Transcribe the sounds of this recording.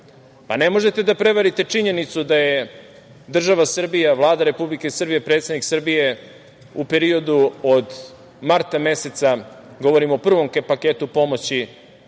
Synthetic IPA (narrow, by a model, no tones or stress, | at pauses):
pa̰ne̞mo̞ʒe̞t̪e̞d̪apɾe̞ʋaɾit̪e̞t͡ʂiɲe̞nit̪sud̪aje | d̪r̩ʒaʋasr̩bijaʋlˠaːd̪aɾe̞publike̞sr̩bije̞pɾet̪sed̪niksɨr̩bije̞ | upe̞ɾio̞d̪uod̪ | maɾt̪ame̞set̪sa | ɡo̞ʋo̞ɾimoːpr̩ʋo̞mkepake̞ːt̪upo̞mo̞t͡ɕi